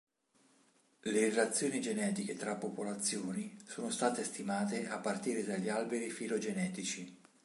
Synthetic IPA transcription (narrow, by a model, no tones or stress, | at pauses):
lerelat̪sːjoːnid͡ʒenɛːt̪iket̪ɾapːopolat̪sːjoːnisoːnost̪aːt̪est̪imaːt̪eʔapːart̪iːɾed̪aʎːialbeɾifilod͡ʒenɛːt̪it͡ʃi